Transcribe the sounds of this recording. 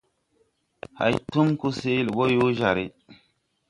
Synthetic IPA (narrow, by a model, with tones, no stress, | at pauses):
ha̰˨jtu˦mku˦se˦li˨ɓo˦ju˦ʒa˨ɾi˦